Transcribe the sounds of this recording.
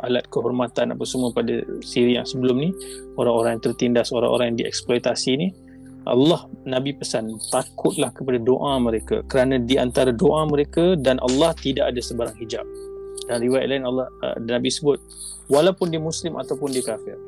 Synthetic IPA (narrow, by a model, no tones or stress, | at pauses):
ʔalat̪̚kəɦɔrmat̪ana̰pasəmuəpada̰siɾijaŋsəbəlʊmnioɾaŋoɾaŋjaŋt̪ərt̪indahsoɾa̰ŋʔo̰ɾaŋjaŋdiɛ̰ksplojt̪asini | ʔɑ̰lːɑhnãbipəsant̪akʰʊt̪̚lahkəpadadoʔamə̃ɾeka̰kəɾanãdiant̪aɾadoʔamə̃ɾekadanʔa̰lːɑht̪idaʔadasəbaɾaŋhid͡ʒa̰p̚danriwaja̰t̪̚lainalːɑhnabisəbʊt̪̚ | walawpʊndiəmuslɪmʔa̰t̪awpʊndikafɪr